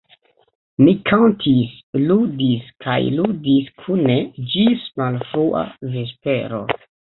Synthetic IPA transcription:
mikʰantʰis | ludiskʰa̰jludiskʰuned͡ʒismalfɾuʔa̰ve̞speɾo̞̰

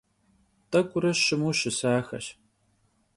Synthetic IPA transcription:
tʼɐkʷʼʊɾɐʃɪmuʃɪsaːxɐ̰ɕ

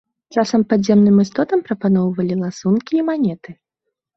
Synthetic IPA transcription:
t͡ʂasɐmpɐd̪zʲɛmnɨmɨst̪ɔt̪ɐmpɾɐpanɔwvɐlʲilˠasunkʲiːmanʲɛt̪ɨ

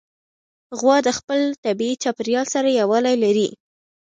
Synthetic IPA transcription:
ɣwɑd̪əxpəlt̪abiit͡ʃɑpɪɾjɑlsaɾajawɑlajlaɾi

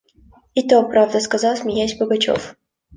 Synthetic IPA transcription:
ɪt̪opɾavd̪əskɐzɑlˠsʲmʲɪjæsʲbəɡɐt͡ɕo̰f

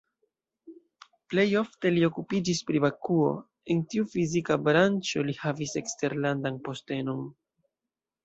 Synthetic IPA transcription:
ple̞jo̞fte̞lio̞kupid͡ʒispɾibakuo̞̰ | e̞ntiufizikabɾant͡ʃo̞lihavise̞kste̞ɾlandanpo̞ste̞no̞n

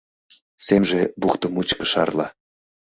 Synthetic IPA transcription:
semʒebuχt̪əmut͡ɕkə̥̆ʃɑ̰rlɑ̰

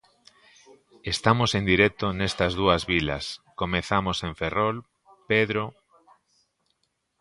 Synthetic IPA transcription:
est̪amosend̪iɾek̚t̪onest̪ɐzðuazβila̰skomeθamosẽɱferol | peðɾo

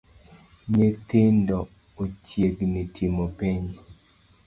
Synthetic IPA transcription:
ɲet̪ɪndɔ | ot͡ʃjeɡnitʰimopeɲ

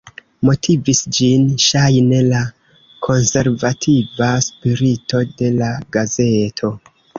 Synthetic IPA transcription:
mo̞tʰivisd͡ʒinʃajne̞la | kʰo̞nse̞ɾvatʰivaspiɾito̞de̞laɡaze̞tʰo̞

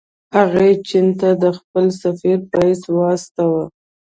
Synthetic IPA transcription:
haɣat͡ʃint̪ad̪əxpəlsafiɾpaiswɑst̪awə

